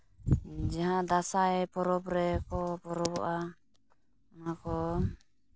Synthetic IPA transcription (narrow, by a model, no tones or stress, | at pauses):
d͡ʒaɦãd̪asaɛpɔɾɔpɾɛkɔpɔɾɔbɔ̰ʔa | nakɔ